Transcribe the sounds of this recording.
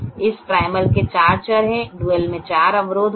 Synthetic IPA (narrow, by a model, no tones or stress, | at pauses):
ɪspɾaːɪməlket͡ʃaːɾt͡ʃəɾɦɛ̃ɖuːəlmẽt͡ʃaːɾɐʋɾoːd̪ʱ